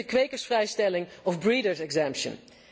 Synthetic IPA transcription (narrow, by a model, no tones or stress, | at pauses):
əkʋejkəɹsfrɛjstɛlɪŋɔfbɹiːdəɹsɛɡzɛmpʃə̰n